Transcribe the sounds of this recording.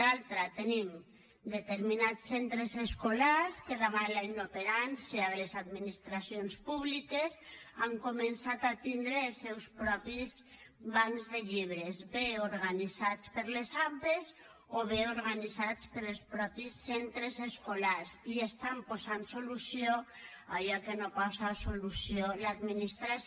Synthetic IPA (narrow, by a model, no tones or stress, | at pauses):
alt̪ɾat̪enim | d̪et̪eɾminat͡sːent̪ɾezeskolaɾskeðaβalajnopeɾanseaelezad̪minist̪ɾasjonspuβlikesaŋkomensat̪at̪ind̪ɾeːlˠsɛwspɾɔpiz | βaŋzðeʎiβ̞ɾezbeoɾɣanizat͡spəɾlezampez | oβeoɾɣanizat͡spəɾelspɾɔpisːent̪ɾezeskolaɾziest̪ampozansolusjo | aʎakenopɔsasolusjolad̪minist̪ɾa